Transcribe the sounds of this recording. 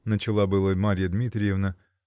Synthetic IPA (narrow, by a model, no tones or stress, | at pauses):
nət͡ɕɪlˠabɨlˠəmaɾʲɪjəd̪mʲit̪ɾʲɪjevnə